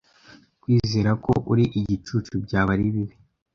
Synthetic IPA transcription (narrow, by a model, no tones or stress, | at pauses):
kwiːzeːɾako̞ʔuɾiʔiɟit͡ʃuːt͡ʃubɟaːβaɾiβiβi